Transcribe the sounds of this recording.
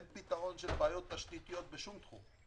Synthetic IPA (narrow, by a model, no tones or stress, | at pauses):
npit̪aʁo̞nʃelbeːjo̞t̪aʃt̪it̪ijot̪̚beʃumt̪χṵm